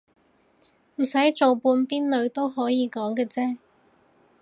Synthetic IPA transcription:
m̩˨˩sɐ˨˥jt͡so˨wpuː˧npiː˥nlɵ˨˧ɥt̪o˥wɦɔː˨˥jiː˨˧kɔː˨˥ŋkɛː˧t͡sɛː˥

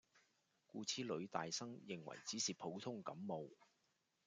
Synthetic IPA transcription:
kuː˧t͡sʰiː˥lɵ˨˧ɥt̪a̰ː˨jsɐ˥ŋjɪ˨ŋwɐ̰˨˩jt͡siː˨˥siː˨pʰo˨˥wt̪ʰʊ˥ŋkɐ˨˥mːo˨˧w

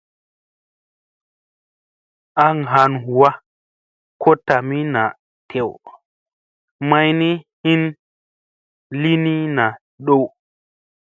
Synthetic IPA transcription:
ʔa˦ŋɦa˨nɦu˨wa˦ | kʰo˦ta˨mi˦na˨ | tʰe˨w | ma˦jni˦hi˦n | li˦ni˦na˨ | ɗo˦w

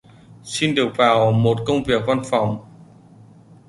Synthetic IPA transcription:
si˧nɗɨ˨˩ək̚vaː˨˩wmo˨˩t̚kə˧wŋ͡mvi˨˩ək̚va˧nfa˨˩wŋ͡m

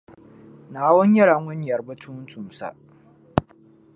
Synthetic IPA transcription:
naː˨wɔ˦ɲ˦jɐ˦ɽa˨ŋʷʊ˦ɲ˦jɐ˨rbɐ˦tʰʊ˦m˦tʊ˨msa̰˦ʔ

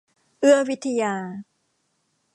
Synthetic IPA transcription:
ʔɯ˥˩ɐwi˦˥t̪ʰːa˧jaː˧

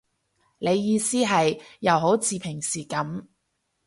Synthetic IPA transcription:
le˨˧jːiː˧siː˥ɦɐ˨jːɐ˨˧wɦo˨˥wt͡siː˨˧pʰɪ˨˩ŋsiː˨˩kɐ˨˥m

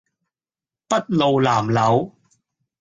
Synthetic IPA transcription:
pɐ˥t̚lo˨wlaː˨˩mlɐ˨˧˥w

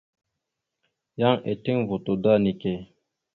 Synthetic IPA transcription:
ja˦ŋḛ˨ti˦ŋvo˨t̪o˨d̪a˦ni˨ke˨

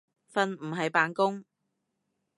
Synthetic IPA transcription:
fɐ˧nm̩˨˩ɦɐ˨jpaː˨˧nkʊ˥ŋ

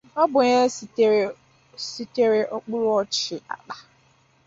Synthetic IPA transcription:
ɔ˦bʊ˨ɲe˦s | si˦te˦ɾe˦ʔo˦k͡pu˦ɾʊ˦ɔ˦t͡ʃɪ˨a̰˨k͡pa˨

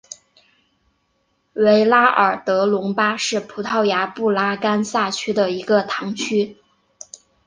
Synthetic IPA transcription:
we˧˥ɪla˥ʔə̰˞˨˩t̪ɤ˧˥lʊ˧˥ŋpa˥ʂɻ̩˥˩pʰu˧˥t̪ʰɑ˥˩ʊja˧˥pu˥˩la˥ka˥nsa˥˩t͡ɕʰy˥d̪ə˨i˧˥ɡə˧t̪ʰɑ˧˥ŋt͡ɕʰy˥

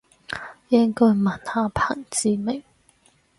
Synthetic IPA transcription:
jɪ˥ŋkɔː˥jmɐ˨˩nhaː˨˧pʰaː˨˩ŋt͡siː˨˧mɪ˨˩ŋ

